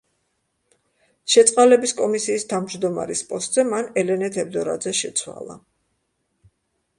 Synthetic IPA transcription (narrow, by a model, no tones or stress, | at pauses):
ʃɛt̪sʼqʼalɛbiskʼɔmisiːst̪ʰavmd͡ʒd̪ɔma̰ɾispʼɔst̪ʼzɛmanɛlɛnɛt̪ʰɛb̚d̪ɔɾa̰d̪zɛʃɛt̪sʰwa̰lˠa̰